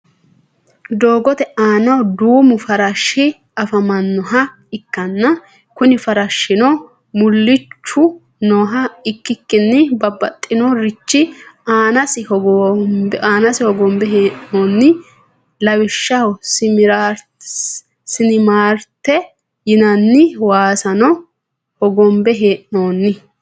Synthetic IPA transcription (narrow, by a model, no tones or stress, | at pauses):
d̪oːɡɔt̪ɛʔaːnɐwd̪uːmʊfɐɾɐʃːɪ | ɐfɐmɐnːɔɦɐ | ɪkːɐnːɐ | kʊnɪfɐɾɐʃːɪnɔ | mʊlːɪt͡ʃːʊ | nɔːɦɐɪkːɪkːɪnːɪbɐbːɐt̪ʼːɪnɔɾɪt͡ʃːɪaːnɐsɪhɔɡɔmbaːnɐsɪhɔɡɔmbɛɦeːʔnoːnːɪ | lɐwɪʃːɐwɔsɪmɪɾaɾ | sɪnɪmaːɾt̪ːɛ | jɪnɐnːɪwaːsɐnɔ | hɔɡɔmbɛɦeːʔnoːnːɪ